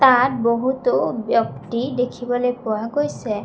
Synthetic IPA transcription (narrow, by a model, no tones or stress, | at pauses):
t̪at̚boɦut̪objɔkʈid̪ekʰibɔlojpɔwaɡojse